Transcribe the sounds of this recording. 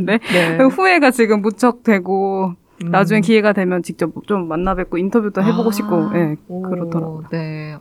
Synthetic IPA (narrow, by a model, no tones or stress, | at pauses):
de̞neɡɸue̞ɡat͡ɕiɡɯmːut͡ɕʰʌk̚t͈we̞ɡo | nad͡ʑuŋekie̞ɡadwe̞mjʌnt͡ɕik̚t͡ɕ͈ʌp̚t͡ɕomːanːabwet̚k͈ointʰʌbjutʰoɦe̞boɡoɕʰip̚k͈ojʔe̞kɯɾʌtʰʌɾaɡojo